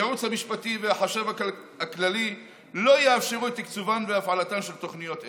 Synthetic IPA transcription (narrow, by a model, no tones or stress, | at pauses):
eut͡shamiʃpativeaħaʃeva | aklali | lo̞jaːfʃeʁuet̪ːikt͡suvanveafʕalatanʃelt̪o̞χnijo̞t